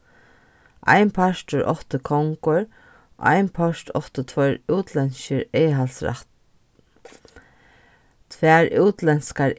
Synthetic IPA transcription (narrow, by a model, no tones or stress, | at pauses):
ʔa̰jnpʰaʃt̪ʊɹʔɔ̰ht̪əkʰɔŋkʊɹ | a̰jnpʰɔʃtʰɔht̪ət̪ʰvœʏɾuːt̪ʰlɛnʃəɾeːɦalsɾa̰t̪ | t̪ʰvɛːɹʉːt̪lɛnskaɾ